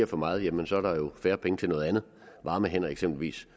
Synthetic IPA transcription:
ɐfɒ̽mɑ̈ːð̩ˠjæmənsɒ̽æɐɾ̥ɑ̈jo̝fæːɐpʰeŋət͡sʰe̝lnɔ̽ːð̞̩ˠænð̞̩ˠ | ʋɑ̈ːməɦen̰ɐeɡ̥sem̰b̥lʋḭːs

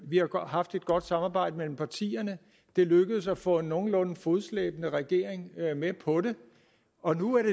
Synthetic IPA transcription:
ʋihɑ̈ɦɑ̈fd̥e̝d̥ɡ̥ɒ̽d̥sɑ̈mɑːb̥ɑ̈ɪ̰d̥əmel̰m̩pʰɑ̈t͡sʰḭːɐnə | d̥e̝løɡ̥əð̞̩ˠsæfɔ̰̽ːe̝nːo̝ːn̩lɔ̽nn̩fo̝ð̩ˠslḛːb̥ənəʁɛɡ̥e̝̰ɐeŋmepʰɒ̽ɾe̝ | ɒ̽nuæɐɾe

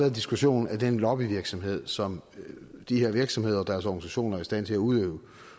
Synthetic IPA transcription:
æːð̩ˠdisɡ̥uɕo̝̰ːnæd̥enlɒ̽b̥iʋiɐɡ̥sɒ̽mɦe̝ð̞̰ˠsɒ̽md̥ihe̝ɐʋiɐɡ̥sɒmhe̝ð̞̰ˠɐɒd̥æɐsɒɡ̥n̩isæɕo̝̰ːnɐæɐisd̥æn̰t͡sʰe̝læuð̞ˠø̰ːʊ

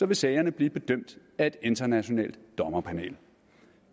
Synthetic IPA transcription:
sɒ̽ʋe̝sɛɪɐnəb̥liːb̥e̝d̥øm̰d̥ | æe̝d̥e̝nd̥ɐnæɕo̝nɛ̰ːld̥ːɒ̽mɐpʰænḛːl

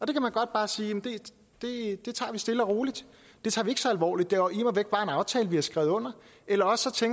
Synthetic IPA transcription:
ɒ̽d̥e̝kʰæmænɡ̥ɒ̽d̥̚b̥ɑ̈ːsiːjemnd̥e̝ | d̥e̝d̥e̝t͡sʰɑ̰̈ːʋisd̥e̝ləɒʁoːlid̥ | d̥e̝t͡sʰɑ̰̈ːʋie̝ɡ̥sɒ̽ælʋɒ̰ːlid̥̚ːe̝ɒimɒʋeɡ̥̚b̥ɑ̈ːe̝nɑ̈ʊt͡sʰɛ̰ːləʋihɑsɡ̥ʁɛ̰ʊðˠɔ̽n̰ɐ | elɐɒ̽ssːɒ̽t͡sʰeŋ

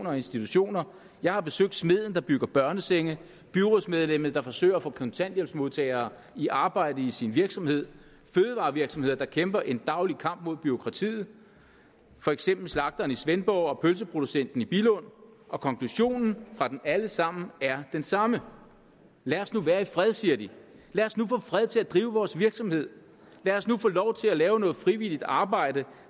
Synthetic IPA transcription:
oːnɐɒe̝nsd̥it͡sʰuɕo̝̰ːnɐ | jɑ̈ɪhɑ̈b̥e̝søɡ̥̚d̥sme̝ð̞̰ˠn̩d̥ɑ̈b̥yɡ̥ɐb̥ɶɐnəseŋə | b̥yʁo̝smeð̞ˠlem̰ð̞̩ˠd̥ɑ̈fɒ̽sø̰ɪ̰ɐːfɔ̽kʰɒ̽nt͡sʰæn̰d̥jelb̥smo̝ðˠt͡sʰɛ̰ːɪɐː | iʔɑ̈ːb̥ɑ̈ɪ̰d̥əisinʋiɐɡ̥sɒ̽mhe̝ð̞̰ˠ | føːð̞̩ˠʋɑ̈ːʋiɐɡ̥sɒ̽mhe̝ð̞̰ˠɐd̥ɑ̈kʰemb̥ɐʔe̝nd̥ɑ̈ʊlikʰɑ̈m̰b̥̚mo̝ð̞̰ˠb̥yo̝kʰʁɑ̈t͡sʰḭːð̞̩ˠ | fɒ̽eɡ̥sem̰b̥l̩slɑ̈ɡ̥̚d̥ɐːnisʋenb̥ɒʊɒ̽pʰøls̬əpʰʁo̝d̥usen̰d̥n̩ib̥iləɔ̽n̰ | ʔɒ̽kʰɒ̽ŋkʰluɕo̝̰ːnn̩fʁɑ̈d̥enæləsɑ̈m̰n̩æɐd̥ensɑ̈mə | læɒsnuʋæːɐifʁɛð̞ˠsiɐdi | læːɒsnufɔ̰̽ːfʁɛð̞ˠt͡sʰe̝læd̥ʁiːʊəʋɒːsʋiɐɡ̥sɒ̽mhe̝ð̰ˠ | læːɒsnufɔ̰̽ːlɒʊt͡sʰe̝lælɛːʊənɔ̽ːð̩ˠfʁiʋil̰id̥ɑ̈ːb̥ɑ̈ɪ̰d̥ə

